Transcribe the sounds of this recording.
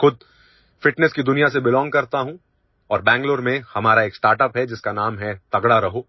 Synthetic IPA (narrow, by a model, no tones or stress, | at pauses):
xʊd̪̚ʱ | fɪʈnɛskid̪ʊnijas̬ebɪlɔ̃ːŋɡ̚kɐɾt̪aɦũ | ɔːɾbɛ̃ːŋɡloːɾmẽhɐmaːɾaeːksʈaːɾʈəpɦɛd͡ʒɪskanaːmɦɛt̪ɐɡɽaɾɐɦoː